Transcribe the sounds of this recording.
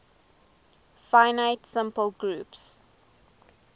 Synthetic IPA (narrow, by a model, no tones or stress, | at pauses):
faɪnaɪtsɪ̃mpəlɡɹuːps